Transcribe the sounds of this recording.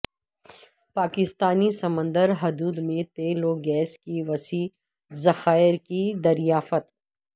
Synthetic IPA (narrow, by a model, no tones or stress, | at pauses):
paːkɪst̪aːnisɐmə̃nd̪əɾɦʊd̪uːd̪mẽt̪eːloɡɛːskiʋɐsiː | zɐxaːɪɾkid̪ɐɾijaːfət̪